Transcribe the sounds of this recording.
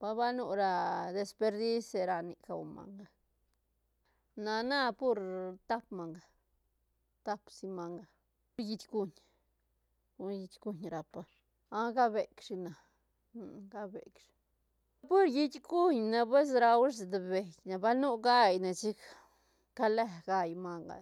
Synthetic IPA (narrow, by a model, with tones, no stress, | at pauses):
b̥a˧ba˦nu˧ɾa˧d̪e˧spe˧ɾd̪i˦se˧ɾa˧ni˨ka˨wma̰˨ŋɡa˦ | na˧na˦pu˦ɾt̪a˦pma˨ŋɡa˨ | t̪a˦psi˧ma˨ŋɡa˧ | ɾji˧t̪ʲɡu˧ɲ | u˧ji˧t̪ʲɡu˧ɲɾa˨pa˧ | a˦ɡa˦be˨kʂi˧na˨ | n˨ɡa˦bḛ˨kʂi̥˨ | pu˦ɾji˧t̪ʲɡu˦ɲna˧p̬e˦s̬ɾa˧wʂe˧˨d̪e˨be˨jna˨ba˦lnu˦ɡa˦˧jna˨t͡ʃi˦k | ka˦le˧ɡa˧jma˧ŋɡa̰˨